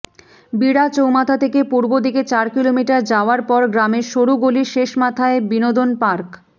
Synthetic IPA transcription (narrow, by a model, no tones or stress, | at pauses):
biɽat͡ɕowmat̪ʰat̪ʰekepuɾbod̪iket͡ɕaɾkilomiʈaɾd͡ʑaoaɾpɔɾɡɾameɾʃoɾuɡoliʃeʃmat̪ʰaebinod̪onpaɾk